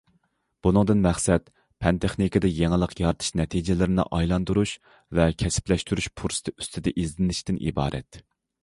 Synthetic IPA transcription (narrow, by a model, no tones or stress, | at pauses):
b̥unɨŋd̪ɨnmæχsɛt̪ | pʰɛnt̪ʰeχnikɪd̪ɛjeŋɪlˠəqʰjɑɾt̪ʰɨ̥ʃnɛt̪ʰid͡ʒɪlɪɾɪnɪ̰ʔɑjlˠɑnd̪uɾuʃ | vɛkʲʰɛsɪ̥plɛʃt̪yɾyʃpʰuɾsɨ̥t̪ʰɪy̥st̪ʰɪd̪ɛʔizlɪnɪʃt̪ɪnʔḭbɑ̰ːɾʔɛ̰t̪